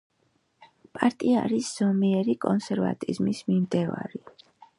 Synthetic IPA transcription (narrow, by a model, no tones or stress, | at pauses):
pʼaɾt̪ʼia̰ɾisz̥ɔmiɛɾikʼɔnsɛɾva̰t̪ʼizmismimd̪ɛva̰ɾi